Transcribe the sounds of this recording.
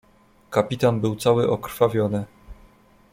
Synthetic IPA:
kapʲit̪anbɘwt̪sawɘʔɔkɾ̥favʲjɔnɘ

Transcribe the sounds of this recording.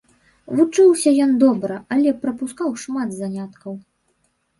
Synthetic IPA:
vut͡ʂɨwsʲɐjɔnd̪ɔbɾɐɐlʲɛpɾɐpuskawʂmad̪zanʲat̪kɐw

